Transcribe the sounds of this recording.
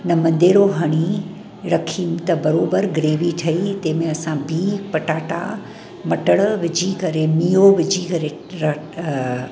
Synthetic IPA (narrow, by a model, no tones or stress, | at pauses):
nɐmɐ̃nd̪eːɽoɦɐɽ̃i | ɾɐkʰiːmt̪ɐbɐɾoːbəɾɡɾeːʋiʈʰɐit̪ɐ̃ːmẽɐsãbʱipɐʈaːʈa̰ | mɐʈəɽ̃ʋɪd͡ʑʱikɐɾemiːjoʋɪd͡ʑʱikɐɾeɾɐ